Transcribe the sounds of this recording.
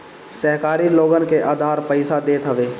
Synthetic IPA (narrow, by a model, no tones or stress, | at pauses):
səɦkaːɾiloːɡənkeʔaːd̪ʱaːɾpəɪsad̪eːt̪ɦəʋeː